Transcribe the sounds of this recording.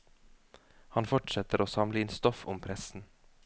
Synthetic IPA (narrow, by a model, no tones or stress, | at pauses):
hɑnfɔʈʂɛt̪əɾoːsɑmləɪːnst̪ɔfʊmpʰɾɛsn̩